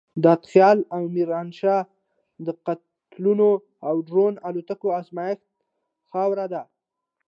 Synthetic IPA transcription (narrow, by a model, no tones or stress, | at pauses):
d̪ɑt̪xjɑlawmiɾɑnʃɑ | d̪əqat̪ | luno | awɖɾonalot̪akoazmɑjɪxt̪̚ | xɑwɾad̪a